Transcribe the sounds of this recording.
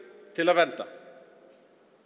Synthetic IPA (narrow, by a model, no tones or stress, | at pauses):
t̪ʰɪloːʋɛnt̪a